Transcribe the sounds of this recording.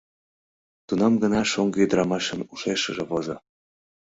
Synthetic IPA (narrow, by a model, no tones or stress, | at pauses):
t̪unɑmɡənɑʃoŋɡjəd̪əɾɑmɑʃə̆nuʃeʃə̆ʒeβozo